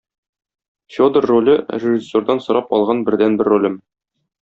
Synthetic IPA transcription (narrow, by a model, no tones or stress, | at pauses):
fʲod̪ərːolʲɘrʲɪʒisːoɾd̪ɑnsŏɾɑpɒlˠʁɑnbɘ̆ɾd̪ænbɘɾːolʲɘm